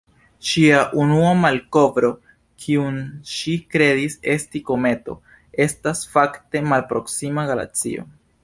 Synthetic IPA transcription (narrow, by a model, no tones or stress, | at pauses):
ʃiaʔunuamalko̞vɾo̞ | kʰiunʃikɾe̞dise̞stiko̞me̞to̞̰ | e̞stasfakte̞malpɾo̞ksimaɡala̰t͡sḭo̞̰